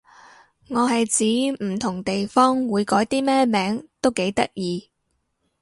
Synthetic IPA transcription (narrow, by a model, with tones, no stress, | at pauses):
ŋɔː˨˧ɦɐ˨jt͡siː˨˥m̩˨˩t̪ʰʊ˨˩ŋt̪e˨jfɔː˥ŋwuː˨˧jkɔː˨˥jt̪iː˥mɛː˥mɛː˨˥ŋt̪o˥wke˨˥jt̪ɐ˥k̚jiː˨˧